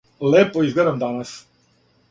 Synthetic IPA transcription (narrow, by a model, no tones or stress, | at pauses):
leːpoizɡled̪amd̪anas